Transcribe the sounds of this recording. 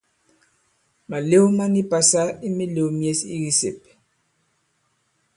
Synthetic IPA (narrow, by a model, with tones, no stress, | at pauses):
ma˨le˦u˦ma˦ni˦pa˨sa˦i˦mi˦le˨u˦mje˦sḭ˦ɣi˦sḛ˨p